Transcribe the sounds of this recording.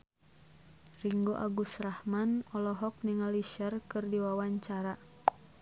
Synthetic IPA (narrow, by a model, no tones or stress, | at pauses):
riŋɡoʔa̰ɡusrahmanɔlɔɦɔk̚niŋaliʃərkɨrdiwawaɲt͡ʃaɾa